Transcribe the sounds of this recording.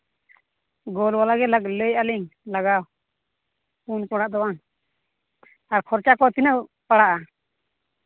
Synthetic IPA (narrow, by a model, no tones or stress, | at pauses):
ɡɔlwalaɡɛlak̚ləjaliŋlaɡaw | punkɔɽaʔd̪ɔwan | aɾkʰɔɾt͡ʃakɔt̪inəwpaɽaʔa